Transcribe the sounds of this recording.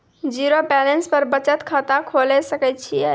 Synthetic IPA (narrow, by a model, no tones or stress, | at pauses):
d͡ʒiɾopɛlenspəɾbət͡ʃət̪kʰat̪akʰolɛsəkɛt̪̚t͡ʃʰijɛ